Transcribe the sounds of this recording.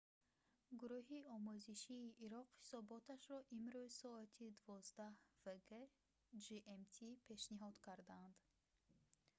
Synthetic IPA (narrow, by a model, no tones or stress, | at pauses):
ɡuɾuɦiɔmuziʃiːʔːɾɔqhi̥sɔbɔt̪ʰaʃɾɔʔimɾuzsɔat̪ʰid̪uvɔzd̪ahv̥eɡe | d͡ʒiʔemt̪ʰipʰe̞ʃniɦɔd̪̥kʰaɾd̪and̪̥